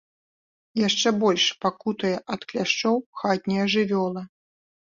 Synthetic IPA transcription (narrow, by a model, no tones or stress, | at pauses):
jaʂt͡ʂɛbɔlʲʂpakut̪ɐjɐʔɐt̪klʲaʂt͡ʂɔwxat̪̚ʲnʲɛjɐʐɨvʲɔlˠɐ